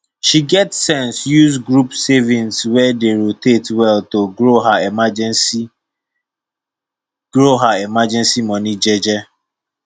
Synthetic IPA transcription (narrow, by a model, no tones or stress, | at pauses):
ʃiɡɛtsɛ̃nsjuzɡɾupsevĩnswɛdeɾotetwɛltoɡɾoɦaemad͡ʒ | ɡ̥ɹoɦaemad͡ʒɛ̃nsimɔnid͡ʒɛd͡ʒɛ